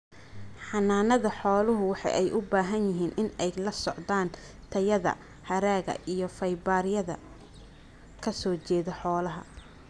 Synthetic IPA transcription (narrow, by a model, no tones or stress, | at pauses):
ħɑnaːnɐðɐħɔːlʊɦʊwɑħɑ̰jʔɛjʔʊbaːɦɐnjɪɦiːnʔɪnɛjlɐsɔʕd̪aːn | t̪ʰɐjɐðɐ̰ | hɐɾaːɣɐ̰ʔijɞfɐjbaːɾjɐðɐ̰ | kʰɐsɔːt͡ʃɛːðɔħɔːlɐɦɐ̰